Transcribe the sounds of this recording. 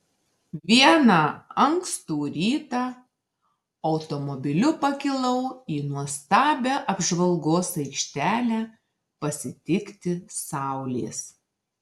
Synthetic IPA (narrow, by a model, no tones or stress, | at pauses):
ʋʲiɛnɑɐŋkst̪uːɾʲiːt̪ɑ | ɒʊt̪ɔmɔbʲɪlʲʊpɐkʲɪlˠɐʊiːnuɔst̪ɑːbʲɛʔɐbʒʋɐlˠɡoːsɐɪkʃʲt̪ʲæːlʲæː | pɐsʲɪt̪ʲɪkt̪ʲɪsɑˑʊlʲeːs